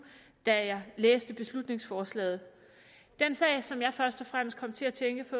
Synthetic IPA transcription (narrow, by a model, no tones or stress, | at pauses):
d̥æjɑ̈ɪleːsd̥əb̥e̝slud̥ne̝ŋsfɒːslɛ̰ːð̞̩ˠ | d̥ensɛ̰ɪsɒ̽mjɑ̈ɪfɶɐsd̥ɒ̽fʁam̰əsd̥̚kʰɒ̽m̰t͡sʰe̝læt͡sʰeŋɡ̥əpʰɒ̽